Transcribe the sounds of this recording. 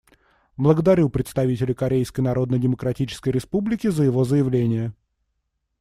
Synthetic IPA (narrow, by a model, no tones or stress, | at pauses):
blˠəɡəd̪ɐɾʲupɾʲɪt̪st̪ɐvʲitʲɪlʲɪkɐɾʲejskəjnɐɾo̞d̪nədʲɪməkɾɐtʲit͡ɕɪ̥skəjɾʲɪspublʲɪkʲɪzəjɪvo̞zəjɪvlʲenʲɪjə